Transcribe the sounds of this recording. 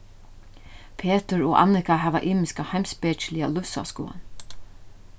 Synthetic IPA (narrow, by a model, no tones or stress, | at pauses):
pʰeːt̪əɹɔʔa̰nɪkaɦɛːʋa̰ʔiːmɪskahajmspɛːt͡ʃlɪalʊfsa̰skṵːa̰n